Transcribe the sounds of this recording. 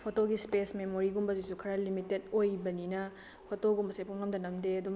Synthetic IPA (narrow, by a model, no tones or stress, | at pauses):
pʰotoɡispesmemoɾiɡumbɐzisukʰɐɾalimitedojbɐninɐ | pʰotoɡumbɐsepʰumŋɐmdɐnɐmdeɐdum